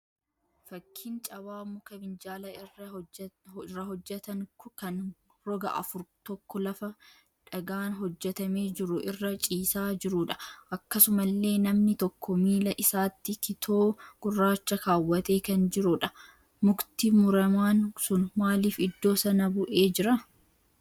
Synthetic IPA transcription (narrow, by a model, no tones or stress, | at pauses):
fɐkʰːint͡ʃʼɐbaːmʊkɐbɪnd͡ʒaːlɐɪrːɐ | ɪrːɐɦɔd͡ʒːɛt̪ɐŋʊkɐn | ɾɔɡɐʔɐ̰fʊɾt̪ɔkːɔlɐfɐ | ᶑɐɡaːnɦɔd͡ʒːɛt̪ɐme̞ːd͡ʒɪɾʊʔɪrːɐt͡ʃʼiːsaːd͡ʒɪɾuᶑɐ̥ʔɐkːɐsʊmɐlːe̞ːnɐmnɪt̪ɔkːɔmiːlɐʔɪsaːt̪ːɪkɪt̪ʰo̞ːɡ̥ʊrːaːt͡ʃːɐkaːwːɐt̪e̞ːkɐnd͡ʒɪɾʊᶑɐ | mʊkt̪imʊɾɐmaːnsʊnmaːliːfɪd̪ːo̞ːsɐnɐbʊʔe̞ːd͡ʒɪɾɐ